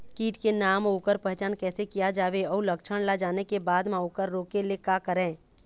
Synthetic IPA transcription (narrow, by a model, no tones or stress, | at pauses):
kiːʈkenaːmoːkəɾpɛɦt͡ʃaːnkɛːsekijad͡ʒaːʋeɔːləkʃʰəɽ̃lad͡ʒaːnekebaːd̪mãoːkəɾːoːkelekaːkəɾɛ̃ː